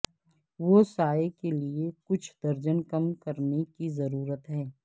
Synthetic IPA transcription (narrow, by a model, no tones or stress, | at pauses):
ʋosaːekeliekʊt͡ʃʰd̪̥ɐɾd͡ʒənkɐmkɐɾnekizɐɾuːɾət̪ɦɛː